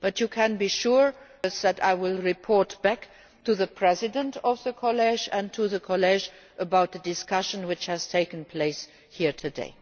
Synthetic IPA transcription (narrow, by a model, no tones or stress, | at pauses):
b̥ʌtjukʰɨ̃nbiʃuɹ | sðæta̰ɪwɪlˠɹɪpʰɔɹtb̥æk | tʰuðəpʰɹ̥ɛzɪdə̃ntɔvðəkʰɔlɛd͡ʒə̃ntʰuðəkʰɔlɛd͡ʒ | ʔəbaʊt̪̚ðədɪskʌʃə̃nwɪt͡ʃhæz̥tʰeɪkə̃n̩pʰl̥eɪs | hiɹtʰɨdḛɪ